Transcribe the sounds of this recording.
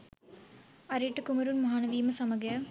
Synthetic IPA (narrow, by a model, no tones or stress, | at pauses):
ɐɾiːʈːɨkumɐɾunmɐɦaːnɐʋiːmɐsɐmɐɡɐ